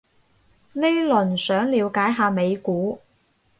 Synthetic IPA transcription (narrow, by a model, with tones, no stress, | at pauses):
le˥jlɵ˨˩nsœː˨˥ŋliː˨˧wkaː˨˥jɦaː˨˧me˨˧jkuː˨˥